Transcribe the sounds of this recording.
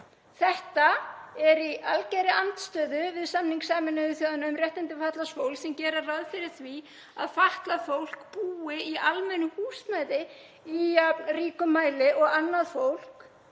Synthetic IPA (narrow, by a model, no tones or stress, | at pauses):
θɛht̪aɛɾiʔalcɛjɾɪan̥t̪st̪œːðʏvɪðsamniŋksaːmɪnʏɪθjowðanaʏmrjɛht̪ant̪ɪfaht̪lasfowlsɛmcɛːɾaraðfɪɾɪɾ̥θvi | a̰ðfaht̪lafowl̥kpuːɪialmɛnːʏhuːsmajðɪ | ijapnriːkʏmaːjlɪʔɔɣanːaðfowl̥k